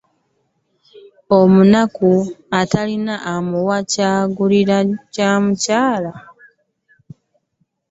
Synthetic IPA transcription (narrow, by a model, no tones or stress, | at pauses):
omunakuatalinaʔːmuwacaːɡuliɾacamucaːla